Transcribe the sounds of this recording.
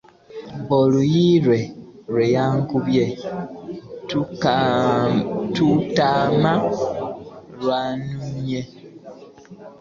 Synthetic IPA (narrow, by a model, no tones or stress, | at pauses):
bolujiɾwe̞ɾwejaːŋkuβje | tu | tutama | lwanume